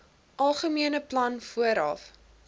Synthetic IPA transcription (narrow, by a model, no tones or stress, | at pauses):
ʔɐlˠχəmiənəplɐnfuəɾɐf